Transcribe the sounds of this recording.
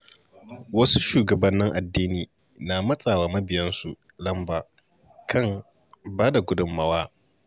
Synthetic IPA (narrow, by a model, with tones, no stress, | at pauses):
wɐ˦su˦ʃuː˨ɡɐ˨bɐ˦nːɪ˦ŋʔa˨dːiː˦niː˨ | naː˨mɐ˦sʼaː˨waː˨mɐ˦bɪ˨jɐ˦nsu˨ | lɐ˦mbaː˨ | kʰɐ˦˨ŋ | baː˦da˨ɡʷʊ˦dʊ˦mːɐ˦waː˦